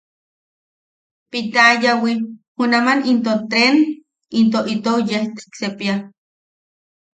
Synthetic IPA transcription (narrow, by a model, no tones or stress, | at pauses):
pit̪ajawihunamanint̪ot̪ɾen | int̪̬oʔit̪owjeht̪eksepia